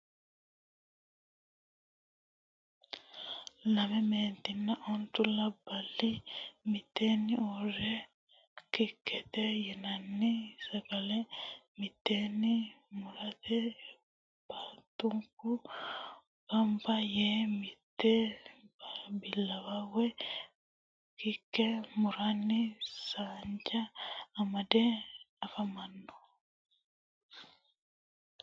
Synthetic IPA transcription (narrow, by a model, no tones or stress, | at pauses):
lamɛment̪inːaʔɔnt̪ulabalimit̪eniuɾɛ | kikːɛt̪ɛjɛnanːisakalɛmit̪ːenimuɾat̪ʰɛ | b̥at̪ːʊŋkʊ | kɐmbɐjeːmɪt̪ːebbɪlːɐwawɛ | kɪkːɛmʊɾanːɪsaːɲd͡ʒɐːmɐd̪eɐfɐmɐnːɔ̥